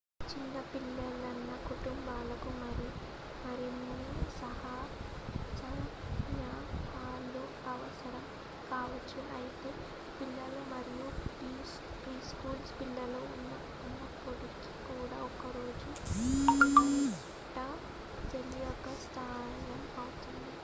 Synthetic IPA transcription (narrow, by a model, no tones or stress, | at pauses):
t͡ʃinːɐpilːɐlɐnːɐkuʈumbaːlɐkumɐɾi | mɐɾinːisɐɦɐ | sɐɾmjaːt̪ʰaːlu | ɐʋɐsɐɾɐm | kaːʋɐt͡ʃːuʔɐjit̪e̞ː | pilːɐlɐmɐɾijuiː | pɾiːskuːlspilːɐlɐunːɐ | ɐnːɐpːoɽiki̥kuːɽa̰ːɔkɐɾoːd͡ʒu | ʈɐ | d͡ʒɐliɔkːɐsʈʰaː | ɡɐmkɐːʋɐt͡ʃːund̪i